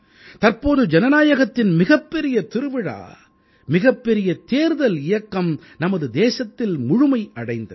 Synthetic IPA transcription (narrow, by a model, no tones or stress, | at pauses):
t̪ɐɾpoːðɯd͡ʒɛnɐnaːjɐɣɐt̪ːɪnmɪɣɐpːɛɾɪjɐt̪ɪɾɯʋɪɻa̰ː | mɪɣɐpːɛɾɪjɐt̪eːɾðɐlɪjɐkːɐm | nɐmɐðɯd̪eːsɐt̪ːɪlmʊɻʊmɐɪɐɽɐɪnd̪ɐð